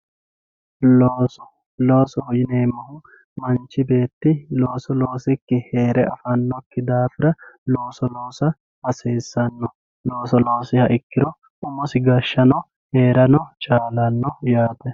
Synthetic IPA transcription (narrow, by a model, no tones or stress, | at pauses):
loːsɔ | lo̞ːsɔhɔjɪneːmɐhʊ | mɐnt͡ʃːɪbe̞ːt̪ːɪlo̞ːsɔlo̞ːsɪkːɪheːɾɛʔɐfɐnːɔkːɪd̪aːfɪɾɐloːsɔloːsɐ | hɐseːsːɐnːɔ | lo̞ːsɔlo̞ːsɪhɐʔɪkːɪɾɔ | ʔʊmɔsɪɡɐʃːɐnɔ | heːɾɐnɔt͡ʃʼaːlɐnːɔjaːt̪ɛ